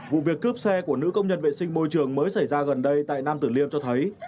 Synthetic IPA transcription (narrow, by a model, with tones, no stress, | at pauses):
vṵ˧˨vi˨˩əkːɨ˦˥əp̚sɛ˧ku˧˩ənɨ̰˧˥kə˧wŋ͡mɲə˧nvḛ˧˨sï˧ŋ̟mo˧jt͡ɕɨ˨˩əŋməː˨˦jsa˧˩jzaː˧ɣə˨˩nɗə˧jt̪a̰ː˧˨jnaː˧mt̪ɨ˧˩li˧əmt͡ɕɔ˧t̪ʰə˨˦j